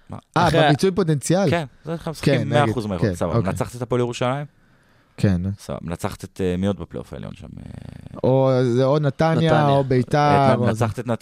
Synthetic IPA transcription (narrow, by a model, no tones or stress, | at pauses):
ma̰ʔabebit͡sujpo̞t̬ent͡sjalkenzeskeinmːmeaidχuzmekesabaoknaet͡saχt̪et̪apoljeʁuʃalajim | kʰensaba̰nat͡saχt̪et̪emiot̪̚beplḛofaḛljo̰nʃa̰mḛozeonat̪anjaobejt̪aʁoaχt̪et̪nat